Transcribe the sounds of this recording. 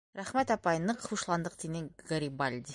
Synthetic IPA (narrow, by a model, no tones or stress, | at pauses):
ɾæχmet̪ɑpɑjənːəqʰəuʃlˠɑnd̪əq̚t̪ʰeneŋɡaɾibalʲd̪ʲi